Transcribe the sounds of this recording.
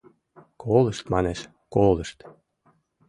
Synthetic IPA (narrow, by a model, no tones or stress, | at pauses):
kʰolə̆ʃt̪mɑneʃ | koləʃt̪